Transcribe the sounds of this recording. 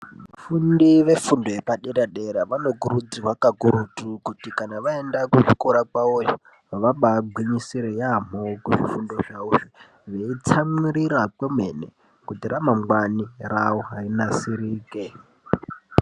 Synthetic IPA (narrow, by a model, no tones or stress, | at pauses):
fundiʋe̞fundo̞jepaɗedaɗeɾaʋano̞ɡuɾud͡ziwakaɡʱuɾutukutikanaʋaendakuʐikoɾakaojo | ʋaɓaɡʱwiɲisiɾejam̤okuʐifundo̞ʐauʐe | ʋeit͡samiɾiɾakwemḛnḛ | kutiɾʔamamwanirawoɦainasiɾiːke